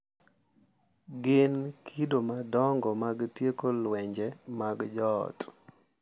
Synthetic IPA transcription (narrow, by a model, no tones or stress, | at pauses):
ɡɪnkʰidomadɔŋɡɔmaɡtjekolwɛɲd͡ʒɛmaɡd͡ʒɔ̰t